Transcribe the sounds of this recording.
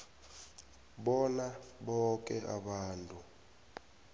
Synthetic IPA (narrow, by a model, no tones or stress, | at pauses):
ɓɔnaɓɔk̬ʼɛʔaɓaːntʼu